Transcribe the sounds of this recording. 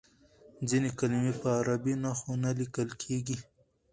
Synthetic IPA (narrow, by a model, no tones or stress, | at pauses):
d͡zinekalimepəaɾabinaxonalikəlkʰeɡi